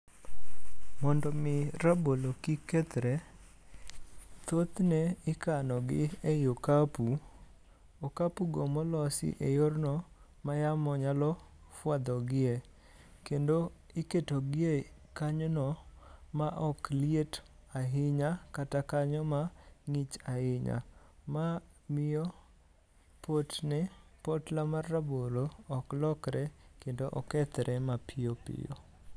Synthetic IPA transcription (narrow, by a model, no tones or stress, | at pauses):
mɔndɔmɪɾabolokiket̪ɾe | t̪ot̪nɛɪkanɔɡɪ̰ejokapu | okapuɡomɔlɔsɪ̰ʔejornɔ | majamɔɲalɔ | fwad̪ɔɡɪe | kendo | ɪketoɡɪe | kaɲonɔ | maʔɔkliet | aɦɪɲakatakaɲɔmaŋit͡ʃaɪɲa̰mamɪɔ | potnɪpotlamarːaboloɔklɔkɾɛkendoʔɔkɛt̪ɾʔɛmapʰɪjopɪ̰jo̰